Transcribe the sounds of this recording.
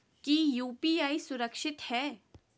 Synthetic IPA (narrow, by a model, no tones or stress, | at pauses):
kijuːpiːaːisʊɾəkʃɪt̪hɛː